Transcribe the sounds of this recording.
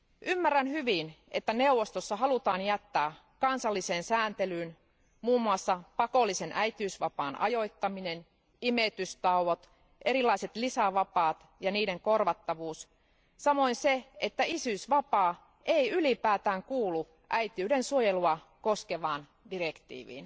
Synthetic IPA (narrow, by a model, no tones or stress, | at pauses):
ʔymːærːænhyʋinḛt̪ːæne̞uwʋost̪osːɑɦɑlut̪ɑːnjæt̪ːæː | kɑnsɑlːiseːnsæːnt̪elyːn | muːmːuɑsːɑpɑko̞lːise̞nʔæjt̪iyːsʋɑpɑːnʔɑ̰jo̞jt̪ːɑminen | imet̪yst̪ɑuʋot̪ | ʔeɾilɑiset̪lisæʋɑpɑːt̪ | jɑniːdeŋkorʋɑt̪ːɑʋuːs | sɑmo̞inseet̪ːæisysʋɑpɑː | ʔeiylipæːt̪æːŋkuːlu | ʔæjt̪iyːɾensuojeluɑ | koskeʋɑːn | direkt̪ḭːʋḭːn